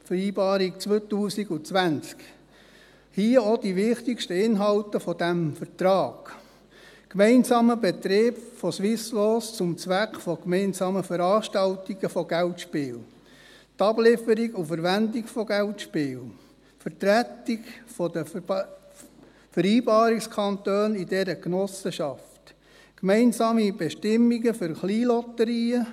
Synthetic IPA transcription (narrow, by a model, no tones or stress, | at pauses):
fəɾiːbɑːɾikt͡sʋot̪uːsiɡut͡sʋænt͡sk | hiəɔd̥iʋɪχt̪ikʃtəɪnɦɑltəfɔd̥̪æmfəɾt̪ɾɑːɡ̥ | kmɛɪnsɑːməbɛt̪ɾeːbfɔsʋɪsloːst͡sʊmt͡sʋækfɔkmɛɪnsɑːməfəɾɑːʃtɑltiɡ̥əfɔɡæltʃpɪːl | tɑblɪfəɾiɡufəɾʋændiɡfɔɡæltʃpɪːl | fəɾt̪ɾæt̪iɡfɔdə | fəɾiːbɑːɾikskʰɑnt̪øːnidɛɾəknɔsəʃɑft | kmɛɪnsɑːmib̥eʃtɪmːiɡəfʏɾχliːlɔt̪ːəɾiːə